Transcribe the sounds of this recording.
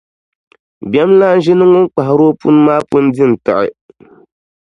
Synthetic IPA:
bɛ˦mla˦n̩˦ʒɪ˦nɨ˦ŋʊ˦ŋk͡pa˨ha˨ɾo˦pṵ˦nɨ˦maː˦pu˦n˦dɨ˦n̩˨tɨ̰˨ʔɪ̰˨

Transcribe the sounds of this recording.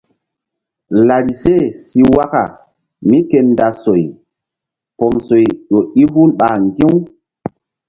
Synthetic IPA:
la˨ɾi˨se˦˨si˨wa˦ka̰˨ | mi˦ke˨nda˨so˨j | pɔ˨mso˨jɗo˨i˦ɦu˦lɓa˨ŋɡĩ˦w

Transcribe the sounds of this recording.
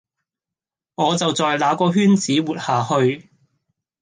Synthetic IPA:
ŋɔː˨˧t͡sɐ˨wt͡sɔː˨jlaː˨˥kɔː˧ɦyː˥nt͡siː˨˥wuː˨t̚haː˨hɵ˧ɥ

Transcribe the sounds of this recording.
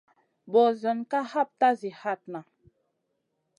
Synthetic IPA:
bɔ˨zə˨nka˦ha˦˨p̚ta˦zi˨ha˦˨t̚na˨

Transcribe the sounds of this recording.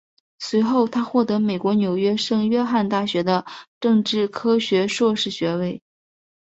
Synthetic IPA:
swe˧˥ɪxo˥˩ʊt̪ʰa˥xwɔ˥˩t̪ɤ˧˥me˨˩ɪkwɔ˧˥njo˨˩ʊɥɛ˥ʂɤ˥˧ŋɥɛ˥xa˥˧nt̪a˥˩ɕɥɛ˧˥d̪ə˧ʈ͡ʂɤ˥˧ŋʈ͡ʂɻ̩˥˩kʰɤ˥ɕɥɛ˧˥ʂwɔ˥˧ʂɻ̩˥˩ɕɥɛ˧˥we˥˩ɪ

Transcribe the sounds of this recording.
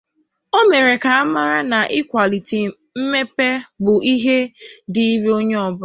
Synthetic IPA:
o˦me˨ɾe˨ka˨a˦ma˦ɾa˦na˨ʔɪ˦kʷa˨li˨ti˨ | m̩˦me˦pe˦bʊ˨ʔi˦ɦe˦di˨i˦ɾo˦ɲe˦ɔ˦˨bʊ˦

